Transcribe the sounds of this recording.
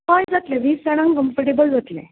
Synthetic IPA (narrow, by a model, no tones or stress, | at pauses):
kãjd͡zat̪leʋiːsɛɽ̃ãŋkəmfəɾʈebəlʋət̪lḛ̃